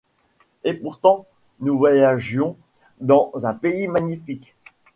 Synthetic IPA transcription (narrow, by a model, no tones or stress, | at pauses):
epuʁt̪ɑ̃ | nuvwajaʒjɔ̃ | d̪ɑ̃zɛ̃peimaɲifik